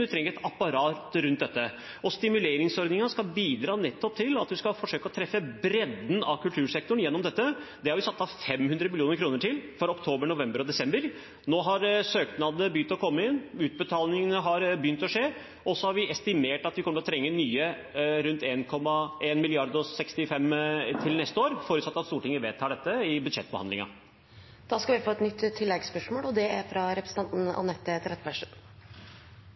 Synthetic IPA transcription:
ɪt̪ʰɾɛŋəɾɛt̪ɑpːɑɾɑːt̪ɾʉnt̪d̪ɛt̪ːə | ɔst̪ɪmʉleːɾɪŋsɔɾd̪nɪŋɑskɑlbiːd̪ɾɑːnɛt̪ːɔp̚t̪ʰɪlɑt̪ʋ̪ɪskɑfɔʂøːkəɔt̪ʰɾɛfːəbɾɛd̪n̩ɑkʉlt̪ʰʉːʂɛk̚t̪ʊɳ̩jɛnːɔmd̪ɛt̪ːəd̪ɛhɑɾʋɪsɑt̪sːɑfɛmhʉnd̪ɾəmɪlɪuːnəɾkʰɾuːnəʈʰɪlfɔɾɔkt̪ʰoːbəɳʊʋɛmbəɾɔd̪ɛsɛmbəɾ | noːɦɑɾsøːknɑd̪əbjʏnt̪ɔkʰɔmːəɪnʉːt̪̚bət̪ʰɑːlnɪŋənəɦɑɾbjʏnt̪ɔʂeː | ɔsːɔhɑɾʋɪɛst̪ɪmeːʈɑt̪ʋɪkʰɔmːəɾɔt̪ʰɾɛŋːənyːə | ɾʉnt̪eːnkʰɔmːɑeːnmɪlɪɑɾd̪ɔsɛkst̪ɪfɛmːt̪ʰɪlnɛst̪əoːɾfoːɾətsɑt̪ːɑt̪st̪uːʈɪŋːəʋeːt̪ʰːɑːɖɛt̪ːəɪbʉd̪ʂɛt̪ːbəhɑnd̪lɪŋɑ̰ | d̪̥ɑːskɑʋɪfoːɛt̪nʏt̪ːt̪ʰːɪlːɛɡspœʂmoːlɔd̪ɛæɾfɾɑɾɛpɾəsə̥t̪ʰɑnt̪n̩ɑ̰nɛt̪ːəɛt̪ɾɛt̪pæʂ

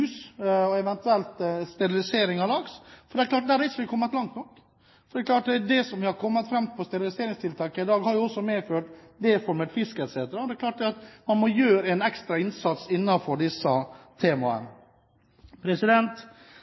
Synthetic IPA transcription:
ʉːsɔɛʋɛnt̪ʉɛlt̪st̪ɛɾɪlɪseːɾɪŋɑlɑɡsfɔɖɛɛɾkʰlɑːʈ̚d̪æːɾʋɪsʋɪkʰɔmːət̪lɑŋt̪nɔkː | fɔɾɖ̪ɛklɑːʈdd̪ɛsɔmʋɪhɑɾkʰɔmːət̪fɾɛmpʰɔst̪ɛɾɪlɪseːɾɪŋst̪ʰɪlt̪ʰɑːkəɪd̪ɑːɡhɑɾjʊɔsːɔmeːføːʈ | d̪eːfɔɾmət̪fɪskəɛt̪seːt̪əɾɑd̪ɛkʰlɑːʈ̚d̪ɛɑt̪mɑnmɔjøːɾəɛnɛkst̪ɾɑɪnsɑt̪sɪnːɑfɔɖɪsːət̪ʰeːmɑə̰n | pʰɾɛsɪd̪ɛnt̪

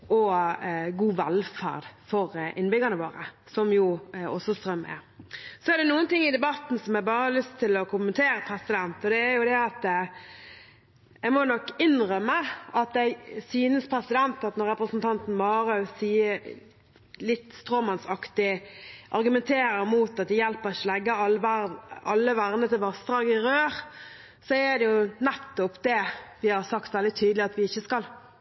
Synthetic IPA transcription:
ʔɔ | ɡuːʋɛlfæ̰ʁd̪fɔɾʔɪnbʏɡənəʋo̰ːɾə̰ | sɔmjʊɔsɔst̪ʁœmːæ̰sɔæd̪ɛnuːənt̪ɪŋːɪd̪ɛbɑt̪ːn̩sɔmjæɡbɑːɾəhəɑlʏst̪ʰːɪlɔkʰʊmːənt̪ʰeːɾəpʰɾɛsɪd̪ɛnt̪ɔd̪ɛːɾjʊd̪ɛɑt̪ | ɛɡmɔnɔkːɪnɾœmːəɑt̪d̪æɪsyːnəspʰʁɛsɪd̪ɛnt̪ɑt̪nɔɾɛpɾəsn̩t̪ʰɑnt̪n̩mɑːɾɑsiːə | lɪt̪ːst̪ɾoːmɑnsɑkt̪ɪʔɑɾɡʉmɛnt̪ʰeːɾəɾmuːt̪ɑt̪̚d̪ɛjɛlpəɾɪçːəɔlɛɡːə | ɑlːəʋæʁnət̪ɪlʋɑsd̪ʁɑːɡɪɾøːʁ | sɔæd̪ɛjʊnɛt̪ːɔpd̪ɛʋɪhɑɾsɑkt̪ʋɛld̪ɪt̪ʰyːd̪əlɪɑt̪ʋɪɪçːəskɑl

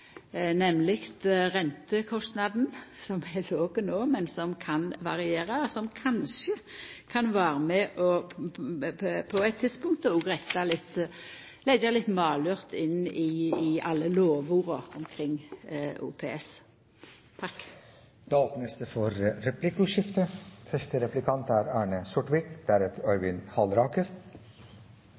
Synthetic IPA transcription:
nɛmlɪkt̪ʁɛnt̪əkʰɔst̪nɑd̪n̩sɔmɛloːɡənoːmɛnsɔmkʰɑnʋɑʁɪeːɾɑɔsɔmkʰɑnʃəkʰɑnʋæːɾəmɛʔɔ | pʰɔæɛt̪ʰːɪd̪spʊŋk̚t̪ɔɔɡʁɛɪt̪ɑlɪt̪ː | lɛɡɑlɪt̪ːmɑːlʉʁt̪ʰɪnːɪɪɑlːəloːʋʊʁɔɔmkʰɾɪŋːṵːpʰeːɛs | t̪ʰɑk | d̪̥ɑːoːpnəsd̪efɔɾɾɛpʰlɪkʊʃɪft̪əfœʂʈəɾɛplɪkʰɑnt̪æɾæːɳəsɔʈʋɪkd̪̥æɾəpœʏʋɪnhɑlɾɑːkəɾ

